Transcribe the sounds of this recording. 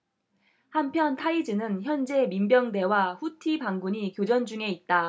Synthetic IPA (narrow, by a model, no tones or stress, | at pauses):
hampʰjʌntʰaid͡ʑɯnɯnçjʌnd͡ʑe̞mimbjʌŋde̞waɸutʰibaŋɡuɲikjod͡ʑʌnd͡ʑuŋe̞it̚t͈a